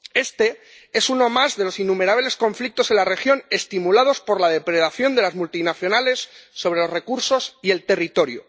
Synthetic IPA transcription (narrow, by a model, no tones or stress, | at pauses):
e̞st̪e̞ | e̞suno̞mazðe̞lo̞sinːumeɾaβle̞sko̞ɱflik̚t̪o̞se̞nlare̞xjo̞ne̞st̪imulað̞o̞spo̞ɾlað̞e̞pɾe̞ðaθjo̞nd̪elazmult̪inaθjo̞nale̞sːo̞βɾe̞lo̞zrekuɾso̞sie̞lt̪e̞rit̪o̞ɾjṵ